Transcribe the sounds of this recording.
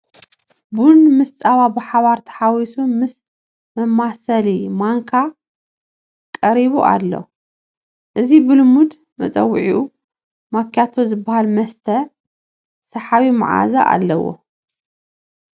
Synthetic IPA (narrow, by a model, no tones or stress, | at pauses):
bunmɨst͡sʼaβabɨħaβaɾt̪ʰɐ̥ħawisumɨs | mɐmːasɐlimaŋkʰa | kʼɐɾiβuʔa̰lːo̰ | ʔɨzibɨlɨmud̪ | mɐt͡sʼɐ̰wʕiʔu | makːjat̪ʰozɨbːahalmɐst̪ʰɐ | sɐħaβima̰ʕa̰za̰ʔa̰lːɐwo̰